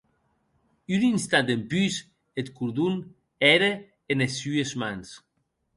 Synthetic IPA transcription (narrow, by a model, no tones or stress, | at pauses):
yninst̪at̪empys | et̪kuɾðun | ɛɾeː | nesyezmans